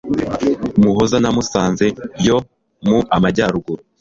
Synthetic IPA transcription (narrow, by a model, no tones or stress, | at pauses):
muɦozanamusaːnze̞bjo | muʔamaɟaɾuɡuɾu